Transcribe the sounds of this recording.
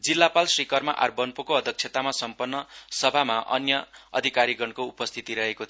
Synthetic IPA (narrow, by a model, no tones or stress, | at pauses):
d͡zilːapalsrikʌrmaʔarbʌnpokoʌd̪ʱʌk̚t͡sʰet̪amasʌmpʌnːʌsʌbʱamaʔʌ̰njʌʌ̰d̪ʱikaɾiɡʌɳkoupʌst̪ʰit̪iɾʌɦekot̪ʰ